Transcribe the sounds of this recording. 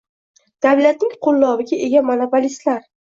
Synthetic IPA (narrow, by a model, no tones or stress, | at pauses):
d̪̥awlat̪̚nɪŋqʰʊlˠːɒvɪɡʲaʔe̞ɡʲamanopʰolist̪laɾ